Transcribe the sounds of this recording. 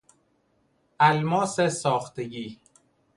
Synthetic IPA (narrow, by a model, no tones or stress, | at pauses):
ælmɒːsesɒːxt̪eɡiː